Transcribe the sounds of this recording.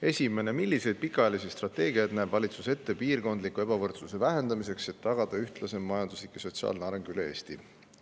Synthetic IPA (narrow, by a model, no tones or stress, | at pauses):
e̞sʲime̞ne̞milːise̞jd̪̥̚pikːˑɑɑjɑlisist̪rɑt̪ːˑe̞ːɡiɑjd̪næːb̥vɑlʲit̪suse̞t̪ːe̞piːrɡo̞nd̪likːˑue̞b̥ɑvɤrt̪suse̞væɦe̞nd̪̥ɑmis̬e̞kse̞t̪ːɑɡ̥ɑd̪̥ɑyht̪lɑse̞mmɑjɑnd̪uslikːeso̞t̪siɑ̰ːlneɑɾe̞ŋɡ̥yle̞e̞̰ːst̪i